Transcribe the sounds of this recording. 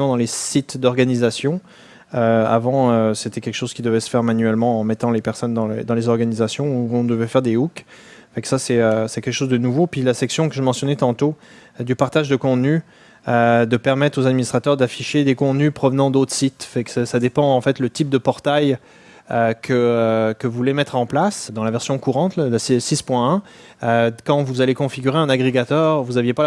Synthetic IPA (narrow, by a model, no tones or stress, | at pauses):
mɑ̃d̪ɑ̃lesit̪d̪ɔʁɡanizasjɔ̃ | øa̰vɑ̃øset̪ɛkʲɛlkə̥ʃoz̥kʲid̪əvɛsə̥fɛʁmanɥɛlmɑ̃ɑ̃mɛt̪ɑ̃lepɛʁsɔnd̪ɑ̃l̰d̪ɑ̃lezɔʁɡanizasjɔ̃uɔ̃d̪əvɛfɛʁd̪euk | fɛ̃ksasɛøsɛkʲɛlkəʃozd̪ənuvopɥilasɛksjɔ̃kəʒəmɑ̃sjɔnɛt̪ɑ̃t̪o | d̪ypaʁt̪aʒd̪əkɔ̃t̪ny | ød̪əpɛʁmɛt̪χozad̪minist̪χat̪œʁd̪afiʃed̪ekɔ̃t̪nypχɔvənɑ̃d̪ot̪χə̥sit̪fɛksɛsad̪epɑ̃ɑ̃fɛt̪lət̪ip̚d̪əpɔʁt̪aj | økʰəøkəvulemɛt̪χɑ̃plasd̪ɑ̃lavɛʁsjɔ̃kuʁɑ̃t̪lassispwɛ̃ɛ̃ | økɑ̃vuzalekɔ̃fiɡʲyʁeɛ̃naɡʁeɡat̪œʁvuzavjepa